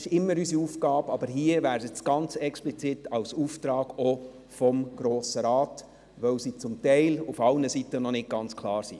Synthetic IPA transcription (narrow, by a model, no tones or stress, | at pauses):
ɪʃɪmːəɾysiuːfɡɑːbɑb̥əɾɦiəʋæːɾsət͡sɡ̥ɑnt͡sɛksplit͡sitɑwsuːft̪ɾɑːɡ̥ɔ | fɔmɡ̥ɾoːsəɾɑːt | ʋœwsit͡sʊmtɛɪlufɑlnəsitənɔnɪd̚ɡ̥ɑnt͡skʰlɑːɾsḭ